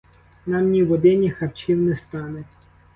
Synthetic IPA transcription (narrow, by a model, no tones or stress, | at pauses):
nɑmnʲiʋɔd̪ɪnʲixɐpt͡ʃʲiwnɛst̪ɑne